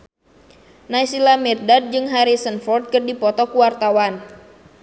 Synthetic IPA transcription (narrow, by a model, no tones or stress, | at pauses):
najsilamɛrdad̚d͡ʒɨŋɦaɾisənfɔrt̪̚kɨrdipɔt̪ɔkuwart̪awan